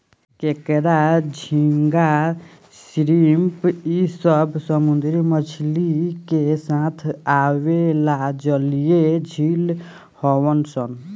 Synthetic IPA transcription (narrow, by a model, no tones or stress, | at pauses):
kekɾad͡ʒʱiŋɡa | sɾimpisəbʱsəmund̪ɾimət͡ʃʰlikesãt̪ʰawelad͡ʒəlijed͡ʒʱil | hɔwənsən